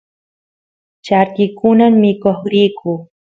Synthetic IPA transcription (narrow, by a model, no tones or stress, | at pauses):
t͡ʃaɾkɪkʊnamːɪkoχɾijkʊː